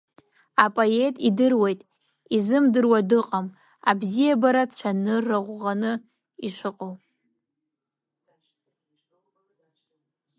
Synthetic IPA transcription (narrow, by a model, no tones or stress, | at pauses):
apʼoe̞tʼidɨrwejtʼ | izɨmdɨrwadɨqʼam | abzijabaɾat͡ɕʷʰanɨraʁʷʁanɨ | iʂɨqʼow